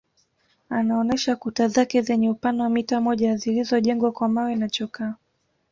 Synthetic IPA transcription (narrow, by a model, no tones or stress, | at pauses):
anaɔnɛʃakutazakɛzɛɲɛupanawamitamɔʄazilizɔʄɛŋɡwakwamawɛnat͡ʃɔkaː